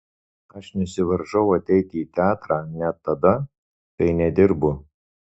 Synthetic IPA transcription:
ɐʃnʲʊsʲɪʋɐɾʒɐʊɐt̪ʲɛɪt̪ʲiːt̪ʲæːt̪ɾɑːnʲɛt̪ːɐd̪ɐ | kɐɪnʲɛd̪ʲɪɾbʊ

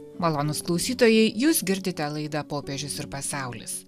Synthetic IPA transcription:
mɐlˠoːnʊsklˠɒʊsʲiːt̪oːjɛɪjuːsɡʲɪɾʲd̪ʲɪt̪ʲɛlˠɐɪd̪ɐpoːpʲɛʒʲʊsɪɾpɐsɑˑʊlʲɪ̰s

